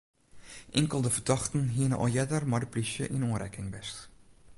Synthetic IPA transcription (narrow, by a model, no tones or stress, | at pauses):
ʔɪŋkəlˠdəfərdɑxtən̩ɦiənəʔɔ̰ljɛdərmadəplisjəʔinoənɾɛkɪŋbɛst